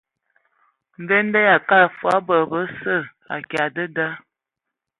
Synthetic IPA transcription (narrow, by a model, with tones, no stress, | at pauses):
m̩˨be˦n˦də˦ja˨ka˦˨fwa˦bə˨bə˦sə˦˨ | a̰˨ki˨a˨də˦da˦